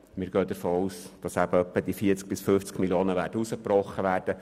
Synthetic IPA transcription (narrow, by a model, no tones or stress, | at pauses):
mɪːɾɡ̥œːd̪əɾfoːuːsd̥ɑsæbəœpːəd̪ifiəɾt͡sk̚b̥ɪsfʏft͡skmiljoːnəʋæːɾdəusəprɔχːəʋæːɾd̥ə